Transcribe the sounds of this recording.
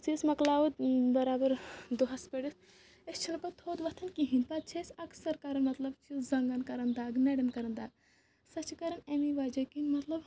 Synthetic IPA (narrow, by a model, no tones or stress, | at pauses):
t͡sisʲmɐklaːʋut̪bɐɾaːbɐɾd̪uɦɐspeɽis | est͡ʃʰilɐpɐt̪ʰoːd̪ʋɐt̪ʰɐnkiɦĩnpɐt̪̚t͡ʃʰesɐksɐɾkaɾɐnmɐt̪lɐbt͡ʃʰizɐŋɡɐnkɐɾɐnd̪aːɡnɐɽɐnkɐɾɐnd̪aːɡ | sɐt͡ʃkɐɾɐnemiʋaːd͡ʒɐkinmɐt̪lɐb